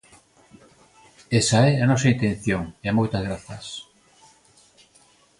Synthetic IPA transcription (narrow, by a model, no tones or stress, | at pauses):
esaɛanɔsaint̪ẽnθjoŋeamojt̪azɣɾaθɐs